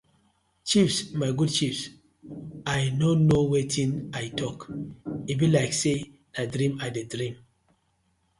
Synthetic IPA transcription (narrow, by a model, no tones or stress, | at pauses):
t͡ʃifsmajɡud̚t͡ʃifs | ajnonowetʰĩnajtʰɔkivĩnlaɪkse | nadɾĩmadedɹĩm